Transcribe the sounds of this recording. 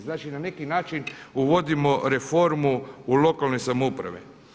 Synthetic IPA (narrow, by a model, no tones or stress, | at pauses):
znaːt͡ʃinane̞kinaːt͡ʃinuʋo̞d̪imo̞ɾe̞fo̞ɾmuulo̞kalno̞jsamupɾa̰ʋḛ